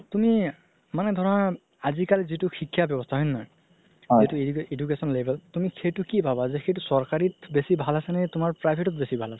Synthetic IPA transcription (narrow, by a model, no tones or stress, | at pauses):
tumi | manɛd̪ʱɔɹɔna | azikalzituxikʰːiabjɔbɔstʰaɦɔjnnɔɹ | zitueedukesɔnlebʱɛltumixejtukibʱabazɛxejtusɔɹkaɹitbesibʱalasɛnɛtʊmaɹpɹajbʱetɔt̚besibʱalasɛ